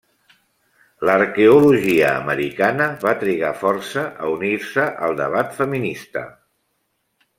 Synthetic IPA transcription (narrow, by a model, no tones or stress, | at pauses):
ləɾkeuluʒiəːməɾikanəβat̪ɾiɣ̞afɔɾsəʔə̰uniɾsəʔəlˠd̪əβat̪fəminist̪ə̰